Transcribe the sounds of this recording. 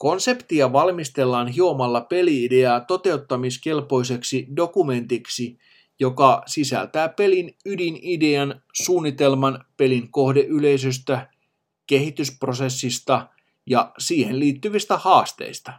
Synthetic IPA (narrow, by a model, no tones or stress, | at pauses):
ko̞nse̞pt̪iɑʋɑlmist̪e̞lːɑːnɦio̞mɑlːɑpe̞liide̞ɑːt̪o̞t̪e̞ut̪ːɑmiske̞lpo̞ise̞ksido̞kume̞nt̪iksi | jo̞kɑsisæ̰lt̪æːpe̞linydinideɑnsuːnːit̪e̞lmɑnpe̞liŋko̞hdeʔyle̞is̬øs̬t̪æ | ke̞hit̪yspro̞se̞sːist̪ɑ | jɑsiːhenliːt̪ːyʋist̪æhɑːst̪ḛist̪ɑ̥